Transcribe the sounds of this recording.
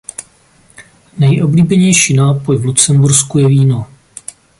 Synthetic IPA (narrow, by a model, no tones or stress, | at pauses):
nɛjʔo̞bliːbɛɲɛjʃiːnaːpo̞jvlut͡sɛmbuɾskujɛviːno